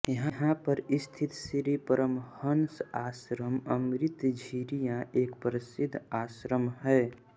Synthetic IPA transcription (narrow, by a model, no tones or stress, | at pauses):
jəɦãɦãpəɾɪst̪ʰɪt̪siɾipəɾəmhənsaːsɾəməmɾɪt̪d͡ʒʱiːɾijãʔeːkpəɾɪsɪd̪ʱːaːsɾəmhɛː